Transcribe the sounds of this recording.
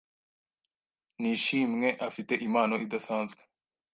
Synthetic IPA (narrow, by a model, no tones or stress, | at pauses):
niʃiːmŋe̞ʔafite̞ʔimaːno̞ʔid̪asaːnzɡḁ